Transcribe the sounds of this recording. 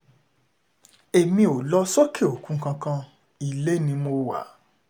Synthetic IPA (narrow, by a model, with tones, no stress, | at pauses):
e˨mĩ˧˦o˨lɔ˧sɔ˦kʰe˦˨o˨kũ˨˦kã˧kã˧ | i˦˨le˦nĩ˧mo˧wa̰˨˦